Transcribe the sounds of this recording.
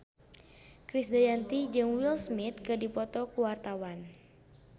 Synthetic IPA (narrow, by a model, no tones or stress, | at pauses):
kɾisdajant̪id͡ʒɨŋwilsmit̪̚kɨdipɔt̪ɔkuwart̪awan